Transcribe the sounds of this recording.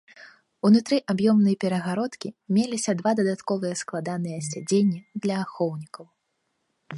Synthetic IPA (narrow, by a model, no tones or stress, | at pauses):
unut̪ɾɨʔabjɔmnɨjɐpʲɛɾɐɣaɾɔt̪kʲimʲelʲisʲɐd̪vad̪ɐd̪at̪kɔvɨjɛsklˠad̪anɨjɛsʲad͡zʲenʲːid̪lʲɐːxɔwnʲikɐw